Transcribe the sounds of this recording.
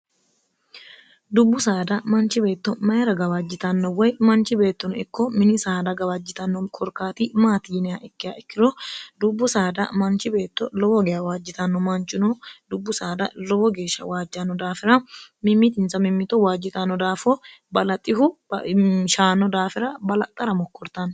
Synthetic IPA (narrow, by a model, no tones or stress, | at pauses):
d̪ʊbːʊsaːd̪ɐmɐnt͡ʃɪbe̞ːt̪ːɔmɐjɐɾɐɡɐbɐd͡ʒːɪt̪ɐnːɔwɐjmɐnt͡ʃɪbe̞ːt̪ːɔnɪkːɔmɪnɪsaːd̪ɐɡɐbɐd͡ʒːɪt̪ɐnːɔkʰɔɾkaːt̪iːmaːt̪iːnɪjaʔɪkːɪjaʔɪkːɪɾɔd̪ʊbːʊsaːd̪ɐ̰mɐnt͡ʃɪbe̞ːt̪ːɔlɔbɔɡɛjawaːd͡ʒːɪt̪ɐnːɔmɐnt͡ʃːʊnɔd̪ʊbːʊsaːd̪ɐ̰lɔbɔɡe̞ːʃːɐ̰waːd͡ʒːɐnːɔd̪aːfɪɾɐmɪmːɪt̪ɪnsɐmɪmːɪt̪ɔwaːd͡ʒːɪt̪ɐnːɔd̪aːfɔbɐlɐt̪ʼːɪhʊ | ʃaːnːɔd̪aːfɪɾɐbɐlɐt̪ʼːɐɾɐmɔkːɔɾt̪ɐn